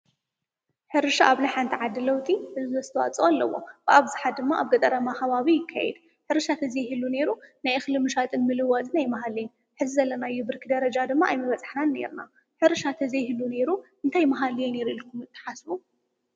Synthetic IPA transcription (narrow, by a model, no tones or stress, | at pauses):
ħɨɾɨʃaʔaβnaħant̪ʰiʕad̪ːɨlɐwt̪ʼiħɨzzɐzɨt̪ʰɐwa̰t͡sʼoalːɐ̰wːo̞̰b̥ɨʔaβzɨħat̪̚d̪ɨmːaʔaβɡɐt̪ʼɐɾɐmaxɐβaβijɪkʰːa̰jɛ̰d̪ | ħɨɾɨʃat̪ʰɐzijhɨlːune̞ɾunajxɨlɨmɨʃat̪ʼɨnmɨlɨwat̪ʼɨnajmɐɦalijɛn | ħɨzizɐlːɐnajːubɨɾkʰid̪ɐɾɐd͡ʒad̪ɨmːaʔajmɐβɐt͡sʼḁħnane̞̰ɾna̰ | ħɨɾɨʃat̪ʰɐzijhɨlːune̞ɾuʔɨnt̪ʰajmɐɦaljɛneɾuilkʰumɨt̪ʰːɨ̥ħasbu